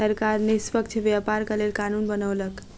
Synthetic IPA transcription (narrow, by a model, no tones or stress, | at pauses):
əɾkaɾnespəkt͡ʃʰbjapaɾkəlelkanunbənəwlək